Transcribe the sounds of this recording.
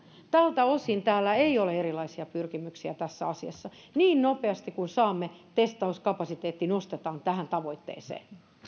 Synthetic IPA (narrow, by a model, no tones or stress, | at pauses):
t̪ælt̪æosint̪æːlːæeioleeɾilɑisiɑpyrkimyksiæt̪æsːæɑsiɑ̰sːɑ | niːnnopeɑst̪ikunsɑːmːet̪est̪ɑuskɑpɑsit̪eːt̪ːinost̪et̪ɑːnt̪æhænt̪ɑʋoit̪ːḛːsḛːn